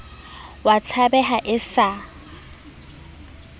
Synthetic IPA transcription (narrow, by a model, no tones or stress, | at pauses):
wat͡sʰabɛɦaʔɪsa